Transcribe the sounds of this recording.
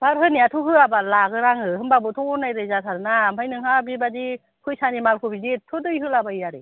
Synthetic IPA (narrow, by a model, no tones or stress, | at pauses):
b̥aɾɦɯniatʰuɦɯabalaɡɯɾaŋɯɦɯnbabɯtʰunajɾɯjzatʰaɾɯnamajnɯŋhabibadi | kʰɯjsanimalkʰɯbizitʰudɯjɦɯlabaiaɾɯ̰